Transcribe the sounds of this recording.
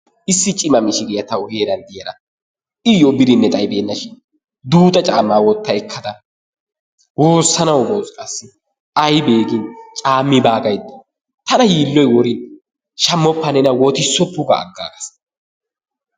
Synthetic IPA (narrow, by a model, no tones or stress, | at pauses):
ʔɪsːɪt͡ʃʼɪmɐmɪʃɪɡɪjɐt̪ɐwheːɾɐnd̪ɪjɐɾɐ̰ | ɪjɔbɪd̪ɪnːɛt̪ʼɐjbeːnːɐʃɪn | d̪uːt̪ʼɐt͡ʃʼaːmːaːwɔt̪ːɐɛkʰːɐd̪ɐ | woːsːɐnɐwbɔwskʼɐsːɪ | ɐjbe̞ːɡɪnt͡ʃʼaːmːɪbaːɡɐjd̪ɐ̥ | t̪ɐnɐjiːlːɔjwɔɾɪn | ʃɐmːɔpːɐnɛnɐwɔt̪ɪsːɔpːʊɡɐ̰ːɡːa̰ːkɐ̥s